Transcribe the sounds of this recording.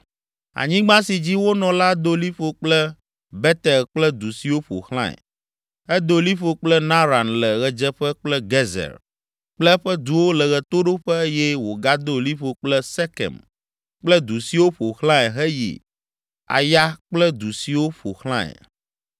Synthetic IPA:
a̰˨ɲĩ˦ɡ͡bã˦si˨d͡ʑi˦wo˦nɔ̃˨la˦d̪o˦li˦ɸo˨k͡plɛ˦ | bɛ˦t̪ɛ˨lk͡plɛ˦d̪u˨si˨wo˦ɸo̰˨lã̰˦ɛ̰˨ | ɛ˦d̪o˦li˦ɸo˨k͡plɛ˦nã˦ɾa˨nlɛ˨ɣɛ˨d͡ʒɛ˦ɸɛ˦k͡plɛ˦ɡe˦zɛ̰˨l | k͡plɛ˦ɸɛ˦d̪u˨wo˦lɛ˨ɣɛ˨t̪o˦ɖo˦ɸɛ˦jɛ˦wo˨ɡa˦d̪o˦li˦ɸo˨k͡plɛ˦sɛ˦kɛ̰˨m | k͡plɛ˦d̪u˨si˨wo˦ɸo˨xlã˦ɛ˨ɦɛ˦jḭ˨ | a̰˨ja˦k͡plɛ˦d̪u˨si˨wo˦ɸo̰˨xlã˦ɛ̰˨

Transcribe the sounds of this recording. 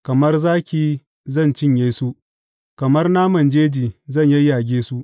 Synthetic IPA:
kɐ˨mɐ˦rzaː˦kʲiː˨ | zɐ˦˨nt͡ʃɪ˦˨ɲjeː˦su˦ | kɐ˨mɐ˦rnaː˦mɐ˨nd͡ʒeː˦d͡ʒiː˨zɐ˦˨ɲjɐ˦jaː˨ɡʲeː˦su˦ʔ

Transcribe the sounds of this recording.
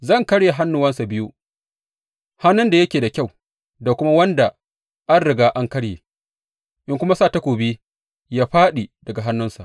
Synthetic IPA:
zɐ˦˨ŋkɐ˦ɽje˨ɦa˦nːʊ˨wɐ˦nsa˨bɪ˦ju˦ | ha˦nʊ˦nda˨jɐ˦kʲeː˨da˨kʲa˦˨w | da˨kʷʊ˦ma˦wɐ˦nda˨ | ʔa˦nɽɪ˨ɡaː˦ʔa˦ŋkɐ˦ɽjeː˨ | ʔɪ˦ŋkʷʊ˦ma˦saː˦˨ta˦kʷoː˨biː˦ | jaː˦ɸaː˦ɗi˨dɐ˨ɡa˨ɦa˦nːʊ˦nsa˨ʔ

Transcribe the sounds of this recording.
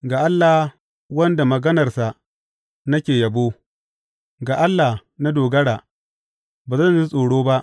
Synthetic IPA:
ɡaː˨ʔa˦lːa˨ | wɐ˦nda˨mɐ˨ɡɐ˦nɐ˨rsa˨ʔ | nɐ˦kʲeː˨jɐ˨boː˦ | ɡaː˨ʔa˦lːa˨na˦doː˨ɡɐ˦ɽaː˨ | baː˨zɐ˦nzi˦sʼoː˨ɽoː˦ba˦ʔ

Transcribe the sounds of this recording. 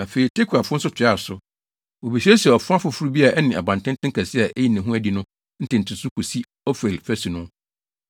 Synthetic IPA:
ã˨fe˨ɾi˨tʰe˦kʰu˨a˨fʊ˦sʊ˦tʰɪ˨˦a˦˨sʊ˦ | o˨bi˨se˦si˨ɛ˨ɔ˨fʊ̃˦a˦fʊ˨fu˦ɾu˦bi˦a˨ʔɛ˦nɪ̃˨ʔa̰˨bã˨ntɪ̃˦ntʰɪ̃˦ŋkʰa˨sɪ˦a˨ʔɛ˦ji˦˨næ̃˨ɦũ˦æ˦di˨nʊ̃˦ | n̩˦tɪ̃˨n̩˨tʰɪ˨sʊ˦kʰu˨si˦ | ɔ˦fe˨lfæ˦si˨nʊ̃˦

